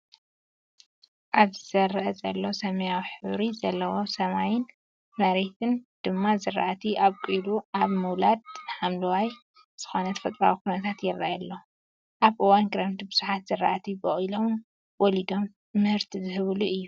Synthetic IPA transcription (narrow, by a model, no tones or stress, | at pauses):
ʔaβzɨzɐɾɐʔɐzɐlːosɐmjawiħɨβɾizɐlːɐwo̞sɐmajɪn | mɐɾet̪ʰɨnd̪̥ɨmːazɨɾa̰ʔat̪ʰiʔaβkʼujluʔaβmɨwlad̪̚ħamluwaj | z̥ɨ̥xo̞nɐt̪ʰɐ̥fɐt̪ʼɾa̰wikʰunɐt̪ʰat̪jɪrːajɐlːo̞ | ʔaβʔɨwanɡɨɾɐnt̪ibɨz̥uħat̪z̥ɨra̰ʔat̪ʰibɨχʼilo̞m | wɔlid̪o̞m | mɨhɨɾt̪ʰizɨhɨβluʔɨjːu